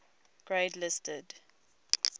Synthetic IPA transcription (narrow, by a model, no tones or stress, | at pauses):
ɡ̥ɹeːdlɪstəd